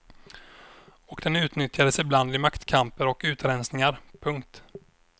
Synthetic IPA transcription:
ɔkd̪̥ɛnʉ̟ːt̪nʏt̪jad̪əsɪbland̪ɪmakt̪kʰampəɾɔkʉ̟ːt̪ɾɛnsnɪŋaɾpʰɵŋkt̪

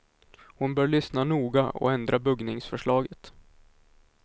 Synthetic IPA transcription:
hʊnbœːɭʏsnanuːɡaʔɔ̰ɛnd̪ɾʔabɵɡnɪŋsfœʂɭɑːɡət̪

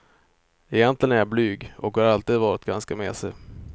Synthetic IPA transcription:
ɛjɛnt̪lɪɡənæɾjablyːɡɔkhaɾalt̪iːd̪vɑːɾɪt̪̚ɡanskameːsɛ

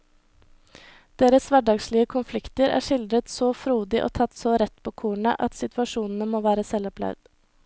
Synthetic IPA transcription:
d̪̥eːɾəsʋæɖɑːɡsɭɪəkʰʊnflɪkt̪əɾæ̰ːʂɪld̪ɾət̪soːfɾuːd̪ɪʔo̰ːt̪ʰɑt̪soːɾɛt̪pʰoːkʰuːɳə̰ʔɑt̪sɪt̪ʰʋɑʃuːnn̩əmoːʋæːɾəsɛlɔplæ̰ʋd̪̥

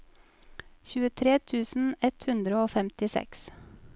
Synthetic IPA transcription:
çʉːət̪ʰɾeːt̪ʰʉːsn̩ɛt̪hʉnd̪ɾəoːfɛmt̪ɪsɛ̰ks

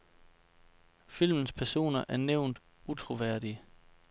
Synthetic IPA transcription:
fil̰mən̩spʰæɐso̝̰ːnɐʔæɐneʊ̰nd̥ | ut͡sʰʁo̝ʋæɐ̰ɾ̥iə

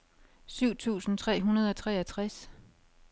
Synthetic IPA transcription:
syʊ̰t͡sʰṵːsn̩t͡sʰʁɛ̰ːɦunɐð̞ˠɒ̽t͡sʰʁɛːɐt͡sʰʁas

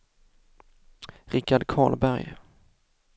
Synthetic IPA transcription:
ɾɪkːaɖkʰɑ̰ːɭbæɾj

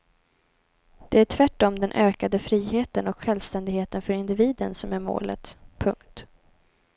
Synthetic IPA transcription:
d̪̥ɛæʈʰvæʈːɔmd̪ɛnʔøːkad̪əfɾiːɦeːt̪ənɔkɧɛlvst̪ɛnd̪ɪɡheːt̪ənfœɾɪnd̪ɪviːd̪ənsɔmæɾmo̰ːlə̰t̪pʰɵ̰ŋkt̪

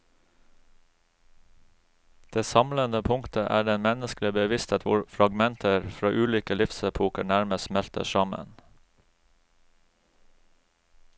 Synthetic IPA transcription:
d̪̥eːsɑmlənd̪əpʰʊŋkt̪ʰəʔæːɖɛnmɛnəsklɪbəʋɪst̪ʰeːt̪ʰʋʊɹfɾɑɡmɛnt̪ʰəɾfɾɑːʔʉːliːkəlɪfsəpʰuːkəɳæɾməsmɛlt̪ə̰ʃɑmə̰n

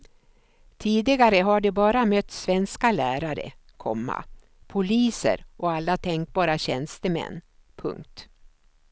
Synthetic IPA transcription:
t̪ʰiːd̪ɪɡaɾəɦaɖɵbɑːɾamœt̪ːsvɛnskalæːɾaɾə̰ | kʰɔ̰mːa̰ | pʰʊliːsə̰ɾʔɔalːat̪ʰɛŋk̚bɑːɾaɕɛnst̪əmɛ̰nːpʰɵ̰ŋk̚t̪

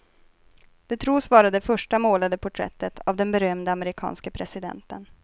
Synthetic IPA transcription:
d̪̥ɛt̪ʰɾuːsvɑːɾad̪ɛfœʂʈamoːlad̪əpʰʊʈʰɾɛ̰t̪ːət̪ʰavd̪ɛnbɛɾœmd̪əaməɾɪkʰɑ̰ːnskəpʰɾɛsɪd̪ɛ̰nt̪ən

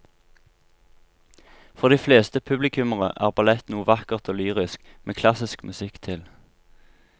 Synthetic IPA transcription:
fɔʁd̪iːfleːst̪əpʰʉblɪkʰʉməʁə̰ʔæ̰ːʁbɑlɛt̪nuːəʋɑkəʁt̪ʰoːlyːʁɪskmeːkʰlɑsɪskmʔʉsɪkt̪ʰɪl

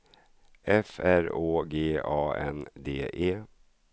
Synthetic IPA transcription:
ʔɛfæɾoːɡeːɑːɛnd̪eːʔeː

